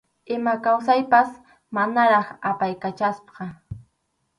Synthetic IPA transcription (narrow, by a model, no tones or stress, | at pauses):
ɪmakaws̬ajpas | manaɾɑχapajkat͡ʃaspqɑ